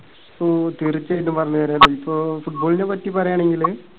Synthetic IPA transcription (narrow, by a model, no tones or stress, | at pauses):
soːt̪irit͡ɕːejʈːnːɨmpɐrɐɲːɐðɐːɾɐlːoːipːoːfuʈ̚boːɭinepɐtːipɐrɐjaːɳe̞ŋɡil